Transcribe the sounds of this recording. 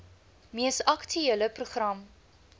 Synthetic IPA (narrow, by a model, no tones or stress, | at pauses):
miəsɐktʰyiləpruχrɐm